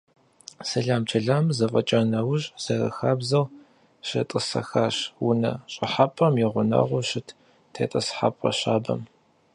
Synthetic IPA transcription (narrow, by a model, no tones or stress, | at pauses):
sɐɮaːmt͡ʃʰɐɮamzɐfʼɐt͡ʃʼɐnɐwʊʑzɐrɐ̰xaːbzɐw | ɕɐtʼɨsɐ̰xaːɕwʊnɐɕʼɪħapʼɐmjɪʁʷʊnɐ̰ʁʷʊɕɪtʰ | tʰḛːtʼɐsħa̰pʼɐ̰ɕaːbɐ̰m